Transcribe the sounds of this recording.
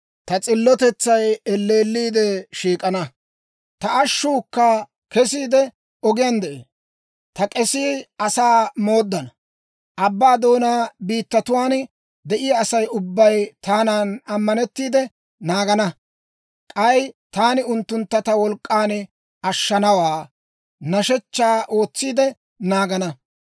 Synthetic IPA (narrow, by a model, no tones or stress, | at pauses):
t̪ɐt͡sʼɪlːɔt̪ɛt͡sːɐjɛlːe̞ːlːiːd̪ɛʃiːkʼɐnɐ | t̪ɐɐʃːukːɐ | kɛs̬iːd̪ɛ | ɔɡɪjand̪ɛʔḛː | t̪ɐkʼɛsiːɐsaːmo̞ːd̪ːɐnɐ | ʔɐbːaːd̪o̞ːnaːbiːt̪ːɐt̪ʊwaːn | d̪ɛʔɪjaːsɐjʊbːɐjt̪aːnaːnɐmːɐnɛt̪ːiːd̪ɛ | naːɡɐnɐ | kʼɐjt̪aːnɪʊnt̪ːʊnt̪ːɐt̪ɐwɔlkʼːaːn | ɐʃːɐnɐwaː | nɐʃɛt͡ʃːaːʔo̞ːt͡sːiːd̪ɛ | naːɡɐnɐ